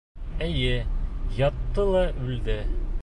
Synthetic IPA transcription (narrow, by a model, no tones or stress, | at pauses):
ɘjɘjɒt̪ːɤlˠɑʔʉld̪ɘ